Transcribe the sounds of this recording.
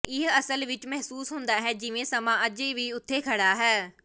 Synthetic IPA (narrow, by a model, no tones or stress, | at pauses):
ɪɦəsəlʋɪt͡ʃmɛɦsuːsɦʊnd̪aːɦɛːd͡ʒɪʋẽːsəmãːʔəd͡ʒeːʋiːʊt̪ʰːeːkʰəɽaːɦɛː